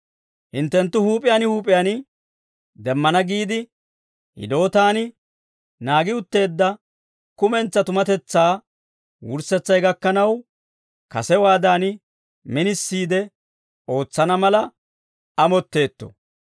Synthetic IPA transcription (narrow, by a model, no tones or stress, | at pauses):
hɪnt̪ːɛnt̪ːʊhuːpʼɪjanɪhuːpʼɪjaːnɪ | d̪ɛmːɐnɐɡiːd̪ɪ | hɪ̰d̪o̞ːt̪aːnɪ | naːɡɪʊt̪ːe̞ːd̪ːɐ | kʊmɛnt͡sːɐt̪ʊmɐt̪ɛt͡sːaː | wʊɾsɛt͡sːɐjɡɐkːɐnɐw | kɐsɛwaːd̪aːnɪ | mɪnɪsːiːd̪ɛ | o̞ːt͡sːɐnɐmɐlɐ | ɐmɔt̪ːe̞ːt̪ːɔ̰